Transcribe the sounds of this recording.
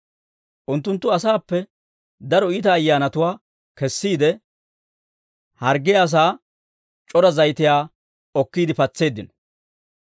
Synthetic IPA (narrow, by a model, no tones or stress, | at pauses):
ʔʊnt̪ːʊnt̪ːʊɐsaːpːɛ | d̪ɐɾɔiːt̪ɐːjːaːnɐt̪ʊwaː | kɛsːiːd̪ɛ | hɐɾɡɪjaːs̬aː | t͡ʃʼɔɾɐzɐjt̪ɪjaː | ɔkːiːd̪ɪpɐt͡sːe̞ːd̪ːɪnɔ